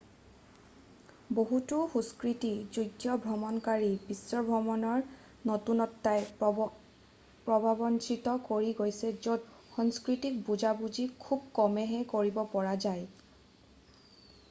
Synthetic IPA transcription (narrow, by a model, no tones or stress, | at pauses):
boɦutʊxuskɹitizujtːjɔbʱɹɔmɔnkaɹibisːɔbʱɹɔmɔnɔɹ | notunɔtːaj | pɹɔbʱabɔnt͡ʃʰitɔkoɹiɡojsɛzod | xɔŋskɹitik̚buzabuzikʰub̚kɔmɛɦɛkoɹibɔpɔɹazaj